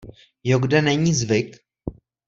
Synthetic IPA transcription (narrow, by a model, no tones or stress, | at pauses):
joɡdɛnɛɲiːzvɪk